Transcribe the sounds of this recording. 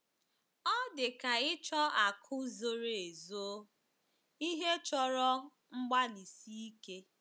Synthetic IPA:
ɔ˦dɪ˨ka˨ɪ˦t͡ʃɔ˦a˨kʰʊ˦zo˦ɾe˨e˨zo˦ | i˦ɦe˦t͡ʃɔ˦ɾɔ˦ | ŋ͡m̩˦ɡ͡ba˦ni˨si˦i˦ke˦

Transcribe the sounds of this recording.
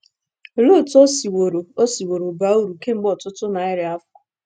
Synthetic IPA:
lo˦˨tɔ˦si˨wo˨ɾo˨o˦si˨wo˨ɾo˨ba˨˦u˦ɾu˨ke˦ŋ͡m̩˦ɡ͡bɔ˨tʊ˦tʊ˦na˨ɪ˦ɾɪ˨a˦fʊ˨˦kʊ˨

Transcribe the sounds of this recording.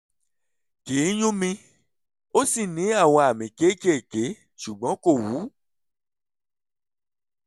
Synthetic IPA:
ki˨˦j̃ũ˦mĩ˧ | o˦si˦˨nĩ˨˦a˦˨w̃ɔ̃˧a˨mĩ˨ke˨˦ke˦˨ke˨˦ | ʃu˨ɡ͡bɔ̃˨˦ko˦˨wu˨˦

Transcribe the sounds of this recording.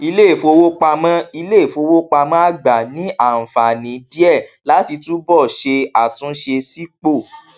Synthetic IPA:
i˧le˦˨fo˧wo˦k͡pa˧mã˦i˧le˦˨fo˧wo˦k͡pa˧mã˦a˦˨ɡ͡ba˨nĩ˨˦ʔa˦˨n̩˨fa˨nĩ˨˦di˦ɛ˦˨la˨˦ti˧tu˦bɔ˦˨ʃe˧a˨tũ˦ʃe˧si˦k͡po˦˨

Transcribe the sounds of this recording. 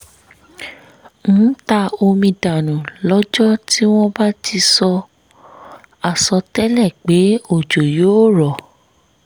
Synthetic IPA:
ñ̩˨˦ta˧o˧mĩ˧da˨nũ˨lɔ˦d͡ʒɔ˦ti˦w̃ɔ̃˦ba˦ti˧sɔ˧ | a˨sɔ˧tɛ˦lɛ˦˨k͡pe˨˦o˦˨d͡ʒo˨jo˨˦ɾɔ˨

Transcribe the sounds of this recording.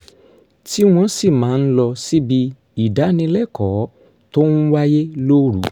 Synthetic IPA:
ti˦w̃ɔ̃˧˦si˦˨mãː˨˦˧n̩˦lɔ˧si˦bi˧ | i˨da˨˦nĩ˧lɛ˦˨kɔ˨˦ | to˦n̩˦wa˦je˦lo˦ɾṵ˨˦

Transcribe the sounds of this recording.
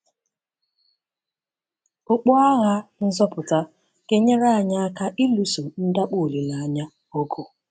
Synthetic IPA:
ʊ˨k͡pɔ˦a˦ɣa˦n̩˦zɔ˦pʊ˨ta˦ | ke˦ɲe˦ɾa˦a˨ɲa˦a˦ka˦ʔi˦lu˦so˨n̩˦da˦k͡po˦˨li˨la˨a˨ɲa˦ | o˦ɡo˨

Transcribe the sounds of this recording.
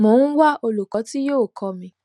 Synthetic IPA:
mo˨˦ñ̩˦wa˦˨o˧lu˨kɔ˨˦ti˦joː˦˨kʰɔ˧mĩ˧

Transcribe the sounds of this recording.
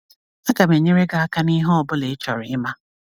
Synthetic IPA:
a˦ɡa˨me˨ɲe˦ɾe˦ɡa˨a˦ka˦ni˦ɦɔ˦ɔ˨bʊ˦le˨ɪ˦t͡ʃɔ˨ɾɪ˨ɪ˦ma˦

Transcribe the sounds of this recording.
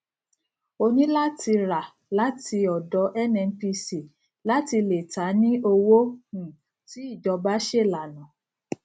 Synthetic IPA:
o˧nĩ˦la˦tʰi˧ɾa˨ | la˦ti˧ɔ˨dɔ˨˦ʔɛ˦nɛ̃˧n̩˦pi˧si˨ | la˨˦ti˧le˨ta˨˦nĩ˦o˧wo˦hũ˦˨ | ti˨˦i˦˨d͡ʒɔ˧ba˦ʃe˦˨la˨nã˨

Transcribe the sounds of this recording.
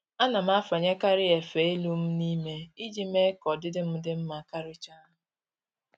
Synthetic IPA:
a˦na˨m̩˦a˦fa˨ɲe˦ka˦ɾɪ˦e˨fe˨e˦lu˦m̩˦ni˦me˦i˦d͡ʒi˦me˦kɔ˨dɪ˦dɪ˦m̩˦dɪ˦m̩˦ma˨ka˦ɾʊ˦t͡ʃa˦˨

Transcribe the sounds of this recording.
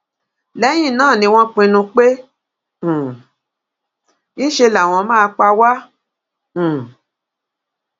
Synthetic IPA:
lɛ˨˦j̃ĩ˦˨nãː˦˨nĩ˧w̃ɔ̃˦k͡pĩ˧nũ˧k͡pẽ˦˨ | nĩ˦ʃe˧la˨w̃ɔ̃˧mãː˦˧k͡pa˧wã˦˨

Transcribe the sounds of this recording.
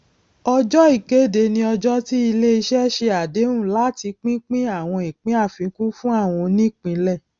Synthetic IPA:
ɔ˧d͡ʒɔ˦i˦˨ke˦˨de˨nĩ˧ɔ˧d͡ʒɔ˦ti˦i˧le˦i˧ʃɛ˦ʃe˧a˨de˨˦ũ˦˨la˨˦ti˧k͡pĩ˦k͡pĩ˦a˦˨w̃ɔ̃˧i˨k͡pĩ˦a˦˨fĩ˨˦ku˦fũ˦a˦˨w̃ɔ̃˧nĩ˦˨k͡pĩ˨˧lɛ˦˨

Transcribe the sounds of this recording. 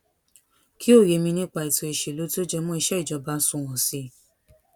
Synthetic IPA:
kʰi˦o˦˨je˨˧˦mĩ˧nĩ˦k͡pa˧i˨to˧˨e˨ʃe˨lo˨˦ti˦o˦d͡ʒɛ˧mɔ̃˦i˧ʃɛ˦i˦˨d͡ʒɔ˧ba˧˦sũ˦˨w̃ɔ̃˨si˦

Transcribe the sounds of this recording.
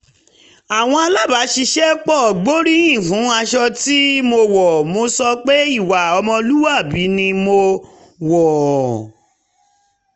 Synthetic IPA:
a˨w̃ɔ̃˧a˧la˦˨ba˨˦ʃi˧ʃɛ˦k͡pɔ˦˨ɡ͡bo˦ɾĩ˦ĩ˦˨fũ˨˦a˧ʃɔ˧ti˦mo˧wɔ˨mo˧sɔ˧k͡pe˦i˦˨wa˨ɔ˧mɔ̃˧lu˦wa˦˨bi˨˦nĩ˧mo˧ | wɔ˨

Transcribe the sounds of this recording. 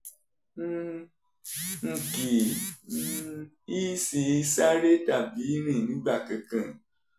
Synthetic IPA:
ŋ̩˨˧ki˨˦ | i˦si˧˦sa˦ɾe˦ta˦˨bi˨˦ɾĩ˦˨nĩ˨˦ɡ͡ba˦˨kã˧kã˨

